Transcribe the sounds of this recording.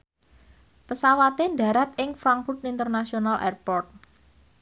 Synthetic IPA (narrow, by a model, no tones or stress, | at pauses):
pəsawat̪eɳɖä̤ɾat̪̚ɪŋfɾaŋfut̪int̪ərnasionalʔɛ̰rpɔrt̪̚